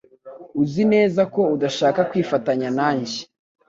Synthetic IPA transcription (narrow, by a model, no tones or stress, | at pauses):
uzine̞ːzako̞udaʃaːkakwiːfataɲanaːɲɟi̥